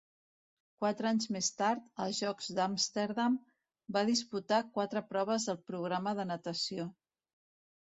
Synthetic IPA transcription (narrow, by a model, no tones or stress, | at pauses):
kwat̪ɾəaɲzmest̪aɾt̪əlˠzʒɔkzd̪amst̪eɾðam | bað̞isput̪akwat̪ɾəpɾɔβ̞əzðəlˠpɾuɣ̞ɾaməðənət̪əsio